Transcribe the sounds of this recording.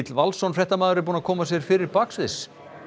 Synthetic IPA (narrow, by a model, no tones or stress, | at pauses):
t̪lvalsɔnfɾjɛht̪amaːðʏɾɪɾpuːnakʰɔːmasjɛɾ̥fɪːɾɪɾpaksvɪs